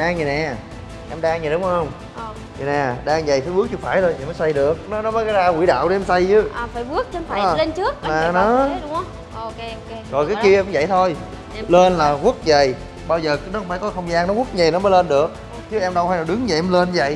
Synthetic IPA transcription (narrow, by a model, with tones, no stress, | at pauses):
ɗaː˧ŋɲ˨˩nɛ̰˨˩ | ʔɛ˧mɗaː˧ŋɲə˨˩ɗʊ˨˦ŋ͡mhə˧wŋ͡m | ɲ˨˩nɛ̰˨˩ɗaː˧ŋzə̰˧˨jfaː˧˩jɓɨ˦ək̚t͡ɕɨ˧˦faː˧˩jt̪ʰo˧jt̪i˨˩məː˨˦jsa˧jɗɨ˨˩ək̚nɔ˨˦nɔ˨˦məː˨˦jkaː˨˦jzaː˧wḭ˧˩˦ɗa̰ː˧˨wʔe˨˦ɛ˧msa˧jt͡ɕɨ˨˦˨faː˧˩˦jɓɨ˦˥ək̚t͡ɕːfa˨˧˩le˧nt͡ɕɨ˦˥ək̚maː˨˩˧nɔ˨˦ | o˧ | zɔ˨˩jkaː˨˦jki˧ʔɛ˧˨˦vzə̰˧˨jt̪ʰo˧j | le˧nlaː˨˩ɣu˦˥ək̚zə˨˩j | ɓaː˧wzəː˨˩kɨ˦nɔ˦kŋ͡mfaː˧˩kɔ˨˦xə˧wŋ͡mzaː˧ŋnɔ˨˦ɣu˦˥k̚ɲə˨˩nɔ˨˦məː˨˦jle˧nɗɨ˨˩ək̚ | t͡ɕɨ˨˦ʔɛ˧mɗə˧wfaː˧jlaː˨˩ɗɨ˨˦ŋɲa˨˩ʔɛ˧mle˧n˧və̰˧˨j